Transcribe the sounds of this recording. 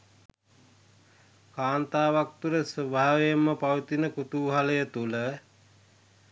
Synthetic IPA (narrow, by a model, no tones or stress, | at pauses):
kaːnt̪aːʋak̚t̪uləsəbʱaːaʋejmːəpaʋət̪inəkut̪uːɦaləjət̪ulə